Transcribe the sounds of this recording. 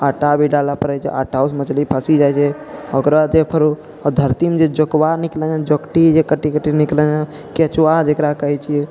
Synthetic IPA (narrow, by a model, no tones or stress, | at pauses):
aːʈabʱiɖalapəɾəjt͡ʃʰḛʔaʈausmət͡ʃlipʰəsid͡ʒajt͡ʃe | okɾad͡ʒepʰəɾu | ɔd̪ʱəɾt̪imd͡ʒed͡ʒokwaniklə̃d͡ʒãd͡ʒokʈid͡ʒekəʈikəʈiniklə̃a | kiət͡ʃuwad͡ʒekɾakəɦɛt͡ʃʰie